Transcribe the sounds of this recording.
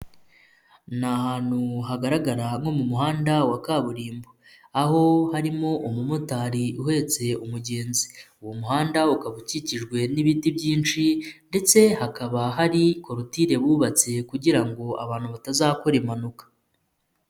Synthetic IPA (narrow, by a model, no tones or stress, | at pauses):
nahaːn̥huɦaɡaɾaɡaɾaŋo̞mumuɦaːndawakaːβuɾiːmbo | aho̞haɾimo̞ʔumumotaːɾiuɦe̞t͡se̞umuɟe̞ːnziuwomuhaːndaukaβuciciʒɡwe̞niβitibɟiːnt͡ʃinde̞t͡se̞hakaβaɦaɾiko̞ɾotiɾe̞βuːβat͡se̞kuɟiɾaŋɡo̞a̰βaːn̥huβatazaːko̞ɾemanukḁ